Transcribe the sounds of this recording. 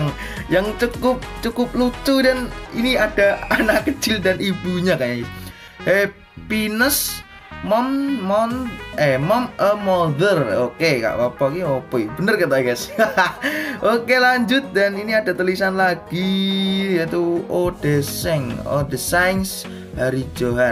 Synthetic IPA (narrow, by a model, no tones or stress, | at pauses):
ŋ | jaŋt͡ʃukʊp̚t͡ʃukʊp̚lut͡ʃ̪udanḭniad̥aanaʔkət͡ʃɪldanib̥uɲakaɲai | he | pinəs | mɔmmɔnɛmɔməmod̪ərokeka̰ʔpapakiopoib̥ənərkət̪akɛs | ʔokelaɲd͡ʒʊt̪̚daniniada̤t̪əlisanlaɡ̥ijat̪uod̥əsɛŋo̰dəsajns | haɾid͡ʒoɦan